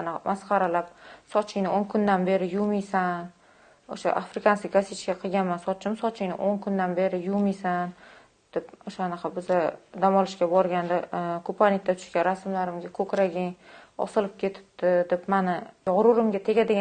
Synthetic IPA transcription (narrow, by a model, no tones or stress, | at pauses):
nmʔasqʰɑɾalap̚sɒt͡ʃʰɪnɪoŋkʰʊnd̪anbe̞ɾɪjʊmijsan | oʃa̰ʔafɾɪkansɪkʲɡaset͡ʃkʲaqʰɨɡʲanmansɒt͡ʃʰɪmsɒt͡ʃʰɪŋnɪ̰ʔoŋkʰʊnd̪anbe̞ɾɪjumijsan | d̪̥epoʃanɑqʰɑbɪzad̪amɒlˠɪʃkʲabɒɾɡʲand̪akʰopʰanɪk̚t̪at̪ʰʊ̥ʃkʲanɾasmlaɾɪmɡʲakʰɵkʲɾaɡʲɪŋɒ̰sɨlɪp̚kʲʰe̞t̪ʰɪ̥p̚t̪ɪd̪epmanɪjɒʁɾʊɾɪmɡʲat̪ʰe̞ɡʲad̪eɡʲ